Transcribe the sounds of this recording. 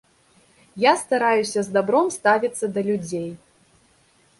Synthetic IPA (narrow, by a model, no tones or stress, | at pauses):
jast̪aɾajusʲɐzd̪abɾɔmst̪avʲit̪sːɐd̪ɐlʲud͡zʲej